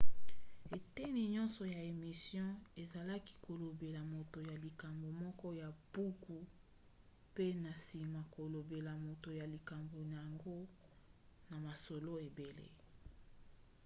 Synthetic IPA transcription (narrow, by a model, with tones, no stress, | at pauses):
e˨te˦ni˨ɲɔ̃˦nsɔ˨ja˨e˨mi˨sjɔ̃˦e˨za˨la˦ki̥˦ko˨lo˨be˨la˨mo˨to˨ja˨li˨ka˨mbo˨mɔ˦kɔ˦ja˨bu˦ku˨ | pe˦na˨si˨ma˨ko˨lo˨be˨la˨mo˨to˨ja˨li˨ka˨mbo˨n˨ja˨ŋɡo˦ | na˨ma˨so˨lo˦e˨be˨lḛ˦